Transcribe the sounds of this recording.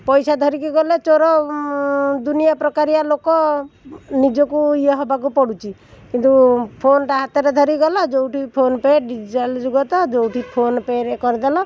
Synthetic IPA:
pɔjsad̪ʱɔɾikiɡɔlet͡ʃɔɾɔ | d̪unijapɾɔkaɾialokɔ | nid͡ʒɔkuieɦɔbakupɔɽut͡ʃʰikint̪upʰonɔʈaɦat̪ɔɾed̪ʱɔɾiɡɔlɔd͡ʒowʈʰipʰonpeɖid͡ʒiʈald͡ʒuɡɔt̪ɔd͡ʒowʈʰipʰonpeɾekɔɾid̪alɔ

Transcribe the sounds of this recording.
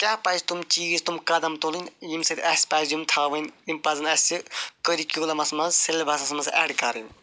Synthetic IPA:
kʲapɐjsʲt̪umt͡ʃiɡisʲt̪umkɐd̪ɐmt̪olɨnʲjimsɐt̪ʲɐsʲpazjumt̪ʰaːʋɨnʲjimpɐzɐnɐsʲikəɾikʲoːlɐmɐsmɐzselbʱɐsɐsmɐzɛ̰ɽkɐɾɨnʲ

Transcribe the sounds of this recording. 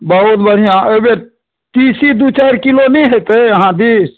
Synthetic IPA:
bəɦʊt̪bəɽ̤ijãʔebe | t̪iːsid̪ut͡ʃaːɾkilonĩɦet̪eɦãd̪is

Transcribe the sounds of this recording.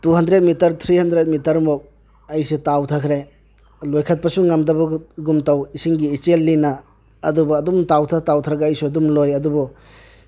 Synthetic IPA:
tuɦɐndɾet̚mitɐɾt̪ʰɾihɐndɾet̚mitɐɾmɔk̚ | ɐjsitawtʰakʰɾe | lojkʰat̚pɐsuŋamdɐbɐɡɡumtawisiŋɡiːt͡ʃelːina̰ː | dubɔːdumtawtʰatawtʰɾaɡaːjsuɐdumlojɐdubɔ

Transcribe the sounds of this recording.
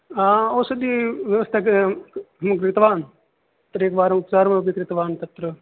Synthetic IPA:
ãːoːsɐd̪iːʋjəʋəst̪ʰak | ɦmkɾɪt̪ʋaːn | t̪ɾeːkʋaːɾʊpzaːɾmãbikɾɪt̪ʋaːnt̪ɐt̪ɾə

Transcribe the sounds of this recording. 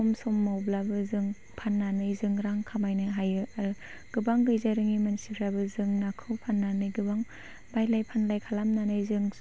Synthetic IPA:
ɔmsɔmːawblabɯzɯŋ | pʰanːanɯjzɯŋɾaŋkʰamajnɯɦajɯaɾu | ɡ̥ɯbaŋɡɯjzaɾɯŋimansikʰɾabɯzɯŋnakʰɯwpʰanːanɯjɡɯbaŋ | bajlajpʰanlajkʰalamnanɯjzɯŋ

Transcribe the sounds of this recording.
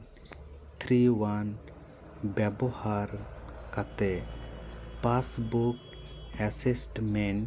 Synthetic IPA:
t̪ʰɾiwan | bjabɔhaɾkat̪ɛ | pasbuk | ɛsisʈmɛɳ

